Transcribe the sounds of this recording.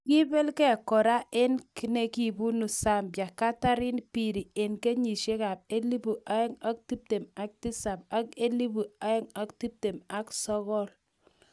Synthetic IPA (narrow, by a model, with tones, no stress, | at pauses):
ki˦be˦lkɛ˦˨kɔ˨ɾa˦ʔe˦nki˦ne˨ki˦˨bu˦nu˨sa˦˨mbja˨ka˦ta˦ɾɪ˦npi˨ɾi˨e˨nke˦ɲi˨ʃe˦ka˨p̚e˦li˦bu˨ʔa˦ɛ˦ŋa˦k̚ti˦p̚te˨ma˦k̚ti˦sa˨p̚a˦ke˦li˦bu˨a˦ɛ˦ŋa˦kti˦p̚te˨ma˦ksɔ˦kɔ˦l